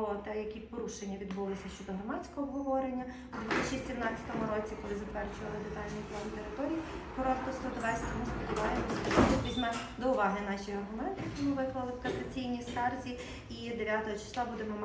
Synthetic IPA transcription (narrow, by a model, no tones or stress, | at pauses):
ɔt̪ɛjɐkʲipɔɾuʃenʲːɐʋʲid̪bulˠɔsʲɐʃt͡ʃɔd̪ɔɦɾɔmɑt͡sʲkɔɦɔbɦɔʋɔɾenʲːɐ | ʊd̪ʋt̪ɪt͡ʃisʲimnɑt͡sʲɐ̥t̪ɔmʊɾɔt͡sʲikɔlˠɪzɐt̪ʋɛrt͡ʃʊʋɐlˠɪd̪ɪt̪ɑlʒnʲiplˠɔnʊt̪eɾɪt̪ɔɾʲijikɔɾɔt̪kɔst̪ɔd̪ʋɛsʲt̪ʲɔmuspʲid̪ʊʋɑjemɔsʲɐt̪ɔlɔʋʲizʲmɛd̪ɔʊʋɑɦɪnɑʃijɐrɦʊmɛnt̪ɪjkimʊʋɪklˠɐlˠɪwkɐsɐt͡sʲijnʲiskɑrzʲi | id̪eʋʲjat̪ɔɦɔt͡ʃɪ̥slˠɑbud̪emɔm